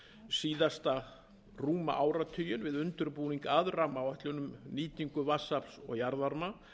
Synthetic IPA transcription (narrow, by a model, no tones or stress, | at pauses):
siːðast̪a | ruːma̰ʔawɾat̪ʰʏjʏnvɪðʏnt̪ʏɾpuːniŋkaðramawaht̪lʏnːʏmniːt̪iŋkʏvasapsɔ̰ɣjaɾðaɾma